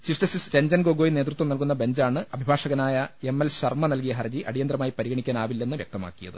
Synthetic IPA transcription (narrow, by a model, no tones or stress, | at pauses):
t͡ɕiʂt͡ɕɐsisɾeɲd͡ʑɐnɡoːɡo̞ːjineːt̪rut̪ʋɐmnɐlkunːɐbe̞ɲd͡ʑaːɳɨɐbʱibʱaːʂɐɣɐnaːjɐe̞mːelɕɐrmɐnɐlk̬ijɐɦɐrd͡ʑiʔɐɽijɐnd̪ɾɐmaːjipɐɾiɣɐɳikʲːaːnaːʋilːe̞nːɨʋjek̚t̪ɐma̰ːkːijɐ̰ðɨ̰